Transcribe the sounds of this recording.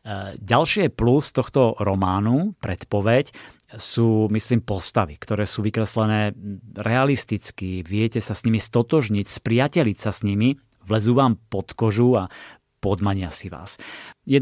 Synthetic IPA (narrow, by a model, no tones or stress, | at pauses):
ɟalʃɪɛplust̪ɔxt̪ɔɾɔmaːnupɾɛt̪pɔʋɛc | suːmisliːmpɔst̪aʋikt̪ɔɾɛːsuːʋikɾɛslɛnɛːɾɛalist̪it͡skiʋɪɛcɛsasɲimist̪ɔt̪ɔʒɲicspɾɪacɛlicsasɲimi | ʋlɛzuːʋaːmpɔt̪kɔʒua | pɔd̪maɲɪasiʋa̰ːsjɛ